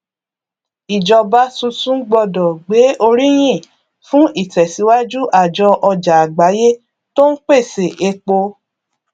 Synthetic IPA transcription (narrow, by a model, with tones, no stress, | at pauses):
i˨d͡ʒɔ˧ba˦sũ˧sũ˦ɡ͡bɔ˧dɔ˨ɡ͡be˨˦o˧ɾi˦j̃ĩ˦˨ | fũ˦ʔi˦˨tɛ˨si˨˦wa˦d͡ʒu˦ʔa˦˨d͡ʒɔ˧ʔɔ˧d͡ʒa˨a˨ɡ͡ba˨˦je˦ | to˦n̩˦k͡pe˦˨se˨ʔe˧k͡po˧